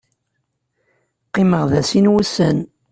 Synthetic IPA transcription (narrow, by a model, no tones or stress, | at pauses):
qːɪməʁðæsinwusən